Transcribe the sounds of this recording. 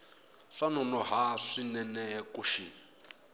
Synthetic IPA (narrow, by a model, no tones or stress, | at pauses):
ʂanɔnɔɦaʂinɛnɛkuʃi